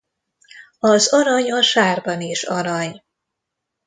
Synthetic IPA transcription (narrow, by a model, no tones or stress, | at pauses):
ɒzɒɾɒɲɒʃaːrbɒniʃɒɾɒɲ